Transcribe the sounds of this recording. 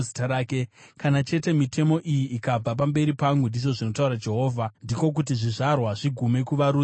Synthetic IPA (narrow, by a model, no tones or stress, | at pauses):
zitaɾaːkekanat͡ʃe̞te̞mitʰe̞mo̞ʔijiikab͡vap̬ambe̞ɾipaŋɡundiʐo̞ʐino̞tauɾad͡ʒe̞ɦo̞ːvʱandiko̞k̬ut̬iʐiʐarwaʐiɡʱume̞kuʋaɾuː